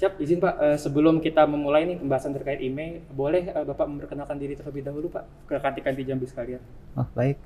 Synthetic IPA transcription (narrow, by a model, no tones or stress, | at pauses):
siap̚bizɪnpaʔəsəbəlʊmkit̪aməmulajnikəmbaɦasant̪ərkaɪt̪imebolɛhəbapaʔməmpərkənalkandiɾit̪urləbɪhdaɦulupa̰ʔ | kəkat̪ikant̪id͡ʒambɪsə̥kalian | ɔhbaɪk̚